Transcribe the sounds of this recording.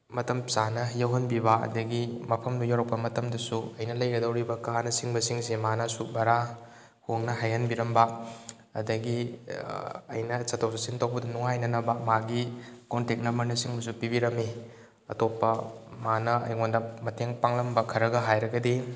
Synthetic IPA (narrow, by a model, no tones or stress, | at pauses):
mɐtɐmsanɐjɐwɦɐnbibɐɐ̰dɐɡimɐpʰɐmnujawɾɐk̚pɐmɐtɐmdɐsuɐjnɐlɐjɡɐdɐwɾibɐkaanɐsiŋbɐsiŋsimanɐsubɐɾa | huŋnɐɦajhɐnbiɾɐmbɐ | ɐdɐɡi | ɐ̰jnɐsɐtʰowsasintowbɐdɐnuŋajnɐnɐbɐmaɡikontek̚nɐmɐɾnɐsiŋbɐs̬upibiɾɐmi | ɐtopːɐmanɐɐ̰jŋondɐmɐtʰeŋpaŋlɐmbɐkʰɐɾɐɡɐɦajɾɐɡɐdi